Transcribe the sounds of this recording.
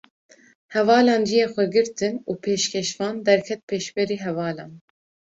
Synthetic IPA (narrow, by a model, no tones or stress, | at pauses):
hɛvɑːlɑːnd͡ʒijeːxʷɛɡɨɾt̪ʰɨnuːpʰeːʃkʲʰɛʃvɑːnd̪ɛɾkʰɛt̪̚pʰeːʃbɛɾiːɦɛvɑːlɑ̰ːn